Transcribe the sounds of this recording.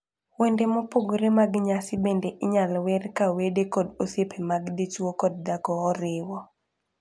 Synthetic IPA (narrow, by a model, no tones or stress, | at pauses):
wendemopoɡoɾemaɡɲasɪbendeʔɪɲalwɛrkawedekɔdosjepʰemaɡdit͡ʃwokɔd̚daɡɔːɾɪwɔ